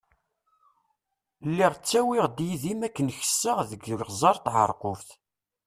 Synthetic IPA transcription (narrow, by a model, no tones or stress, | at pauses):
lːiʁt͡sːæwiʁd̪jiðimækːənçə̥sːəʁðəɡqzˤɑɾˤt̪ʕə̰ɾˤqofθ